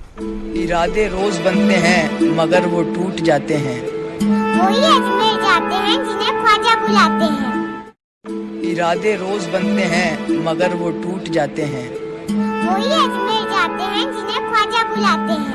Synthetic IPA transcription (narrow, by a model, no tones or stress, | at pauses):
ɪɾaːd̪eɾoːzbənt̪eɦɛ̃ːmɐɡəɾʋoʈuːʈd͡ʒaːt̪eɦɛ̃ː | ɦoːiɛd͡ʒled͡ʒaːt̪eɦɛ̃kɪnẽkʰaːd͡ʒabʊlaːt̪eɦɛ̃ː | ɪɾaːd̪eɾoːzbənt̪eɦɛ̃ːmɐɡəɾʋoʈuːʈd͡ʒaːt̪eɦɛ̃ː | moːɦiɛd͡ʒled͡ʒaːt̪eɦɛ̃kɪnẽkʰaːd͡ʒabʊlaːt̪eɦɛ̃ː